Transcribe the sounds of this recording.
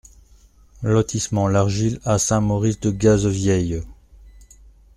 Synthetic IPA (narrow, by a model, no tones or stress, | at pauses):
lɔt̪ʰismɑ̃laʁʒilasɛ̃mɔʁisd̪əɡazvjɛj